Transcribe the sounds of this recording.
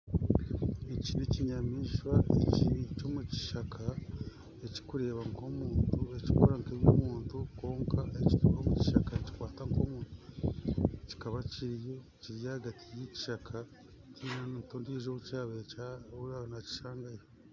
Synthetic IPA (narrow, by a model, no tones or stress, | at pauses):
eciniciɲamiːʃwaḛcit͡ʃo̞muci̥ʃakʰa | eci̥kuɾe̞ːβaŋko̞muːntue̞ci̥ko̰ɾaŋkeβjomuːntuko̞ːŋkʰaeciɾeβomuci̥ʃakaeci̥kwaːtaŋko̞muːntu | ci̥kaβaciɾjo | ciɾijahaɡatʰijeci̥ʃakʰa | cinanntoːndieʒoβucaːβeauɾanaci̥ʃaːŋɡajo